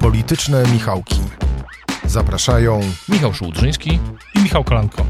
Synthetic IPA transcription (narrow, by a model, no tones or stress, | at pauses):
pɔlʲit̪ɘt͡ʂnɛmʲixawkʲi | zapɾaʂajɔ̃w̃mʲixawʂuwd̪ʐɘj̃skʲiimʲixawkɔlankʰɔ